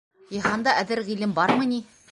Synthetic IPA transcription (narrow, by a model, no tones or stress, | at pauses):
jĭɦɑnd̪ɑʔæðɘɾʁilɘmbɑɾmɤ̆ni